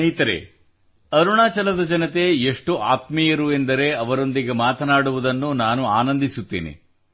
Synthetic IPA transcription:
ɐjt̪ɐɾḛ | ɐɾuɳaːt͡ʃɐlɐd̪ɐd͡ʒɐnɐt̪e̞eʂʈuʔaːt̪mijɐɾue̞nd̪ɐɾe̞ɐʋɐɾo̞nd̪iɡemaːt̪ʰɐnaːɽuʋud̪ɐnːunaːnuaːnɐnd̪isut̪ːḛːnḛ

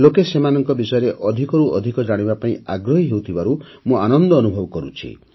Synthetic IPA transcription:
lokesemanɔŋkɔbisɔjɔɾeʔɔd̪ʱikɔɾuʔɔ̰d̪ʱikɔd͡ʒaɽ̃ibapaĩaɡɾɔɦiɦewut̪ʰibaɾu | mũanɔnd̪ɔːnubʱɔbɔkɔɾut͡ʃʰḭ

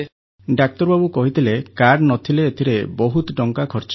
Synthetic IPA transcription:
ɖak̚t̪ɔɾbabukɔɦit̪ʰilekaɾnɔt̪ʰileːt̪ʰiɾebɔɦut̪ɖɔŋkakʰɔɾt͡ʃ

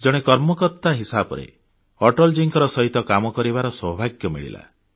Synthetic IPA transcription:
d͡ʒɔɽ̃ekɔɾmɔkɔɾt̪aɦisabɔ̰ɾḛ | ɔʈɔld͡ʒiŋkɔɾɔsɔɦit̪ɔkamɔkɔɾibaɾɔsɔɦbʱaɡjɔmḭɭḭla̰

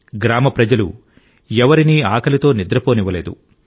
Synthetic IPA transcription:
ɡɾaːmɐpɾɐd͡ʒɐlṵ | ɛʋɐɾiniːaːkʰɐlit̪o̞ːnid̪ɾɐpo̞ːniʋɐle̞ːd̪ṵ

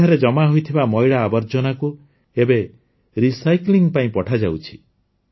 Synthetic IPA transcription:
aɾed͡ʒɔmaɦojt̪ʰibamɔjɽaːbɔɾd͡ʒɔnaku | ebe | ɾisajkliŋpaĩpɔʈʰad͡ʒawt͡ʃʰi̥

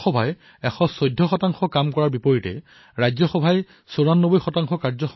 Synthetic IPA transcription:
ɔbʱaj | ɛxɔsɔjdʱːɔxɔtaŋxɔkamkɔɹaɹbipɔɹitɛ̰ | ɹajzɔxɔbʱaj | soɹanːobojxɔtaŋxɔkaɹzɔxɔ

